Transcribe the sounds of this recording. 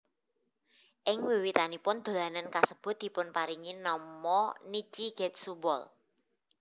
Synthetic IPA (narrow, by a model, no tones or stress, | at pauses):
ʔɪŋwiwit̪anipʊnd̪̥o̤lanankasəb̥ʊ̤t̪̚d̪̥i̤pʊnpaɾiŋinɔmɔnit͡ʃiɡ̥ɛt̪̚subɔ̰l